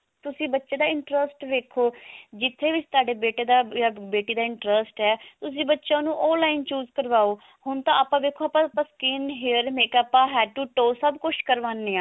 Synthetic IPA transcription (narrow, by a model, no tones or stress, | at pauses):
t̪ʊsĩːbətːʃeːd̪aːɪɳʈɾəsʈʋeːkʰoːd͡ʒɪt̪ʰːeːʋɪt͡ʃt̪aːɖeːbeːʈeːd̪aːjaːbeːʈiːd̪aːɪɳʈɾəsʈɛːt̪ʊsĩːbətːʃãːnũːʔɔːlaːɪnt͡ʃuːzkəɾʋaːoː | hʊnt̪ãːaːpːãːʋeːkʰːoːaːpãːpãːskɪnɦɪɾmeːkəpãːɦɛːʈuːʈoːsəbkʊʃkəɾʋaːnːeːaː